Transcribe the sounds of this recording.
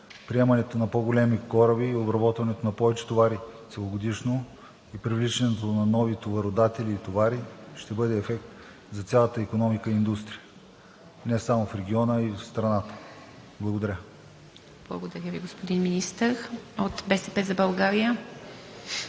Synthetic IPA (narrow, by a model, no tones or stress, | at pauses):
pɾiɛmɐnɛt̪onɐpoɡolɛmikɔɾəbiːobɾɐbɔt̪vɐnɛt̪onɐpɔvɛt͡ʃɛ̥t̪ovaɾi | sɛlˠoɡod̪iʃno | ipɾivlit͡ʃɛnɛt̪onɐnɔvit̪ovɐɾod̪at̪ɛlʲiːt̪ovaɾiʃt̪ɛbɤd̪ɛːfɛk̚t̪ | zɐt̪sʲjalˠət̪əikonɔmikəiːnd̪ust̪ɾijə | nɛsamofɾɛɡʲiɔnəifst̪ɾɐnat̪ə̥ | blˠɐɡod̪ɐɾʲə | b̥lˠɐ̰ɡod̪ɐɾʲjəviɡospod̪inminist̪əɾot̪bɛsɛpɛzɐbɐlˠɡaɾijə